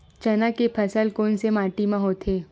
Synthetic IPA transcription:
t͡ʃɐnakepʰəsəlkoːnsemaːʈimãɦoːt̪ʰeː

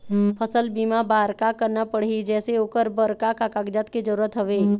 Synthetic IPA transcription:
pʰəsəlbiːmabaːɾkakəɾnapəɽ̤id͡ʒɛːseoːkəɾbəɾkakakaɡd͡ʒat̪ked͡ʒəɾuːɾət̪ɦɐʋe

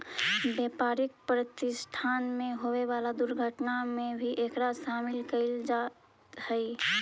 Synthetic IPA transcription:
bjɛpaɾik̚pɾət̪ɪsʈʰanmeɦoweβalad̪uɾɡʱəʈnamebʱiʔekɾaʃamɪlkəɪld͡ʒa | t̪həɪ

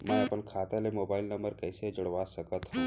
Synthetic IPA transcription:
mɛ̃ɐpənkʰaːt̪elemoːbaːɪlnɐ̃mbəɾkɛːsed͡ʒʊɽʋaːsɐkət̪ɦũ

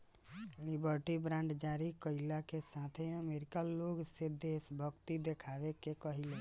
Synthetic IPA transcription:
libəɾʈibɾãɳɖd͡ʒaɾikəɪlakesat̪ʰeəmeɾikəlːoɡsed̪esbʱəɡt̪id̪ekʰaʋekekəɦile

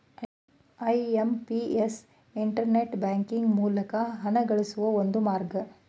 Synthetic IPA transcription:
ɐjempies | iɳʈɐɾneʈbaːŋkiŋɡmuːlɐkɐɦɐnɐɡɐɭisuʋɐond̪umaːɾɡɐ

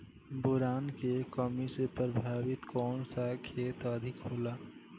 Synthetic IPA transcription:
bʊɾaːnkekəmisepɾəbʱaːʋɪt̪kɔːnsakʰeːt̪əd̪ʱɪkɦoːlaː

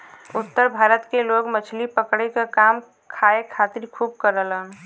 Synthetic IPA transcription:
ʊt̪ːəɾbʱaɾət̪keloɡmət͡ʃʰlipəkɽekekam | kʰaekʰat̪iɾkʰub̚kəɾələn

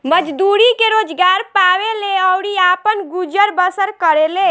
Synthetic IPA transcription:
məd͡ʒd̪uɾikeɾoːd͡ʒɡaːɾpaːʋeleɔʊɽiaːpənɡud͡ʒəɾbəsəɾkəɾeleː

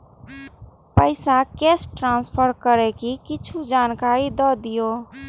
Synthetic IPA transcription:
pəɪsakesʈɾanspʰəɾkəɾekikit͡ʃʰud͡ʒankaɾid̪ɔd̪ijo

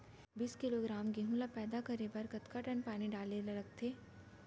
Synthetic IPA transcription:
biːskɪloɡɾaːmɡeɦũlapɛːd̪akɐɾebɐɾkɐt̪kaʈənpaːniɖaːlelɐɾək̚t̪ʰeː

